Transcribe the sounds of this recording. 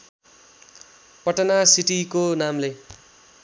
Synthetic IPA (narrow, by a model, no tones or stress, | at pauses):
pʌʈʌnasiʈikonamle